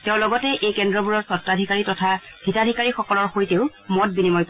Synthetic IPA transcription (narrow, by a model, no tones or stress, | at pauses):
teʊ̃lɔɡɔtɛʔejkɛndɹɔbuɹɔɹsɔtːadʱikaɹitɔtʰab̥ʱitadʱikaɹixɔkɔlɔɹxoɹiteʊmɔt̚binimɔjp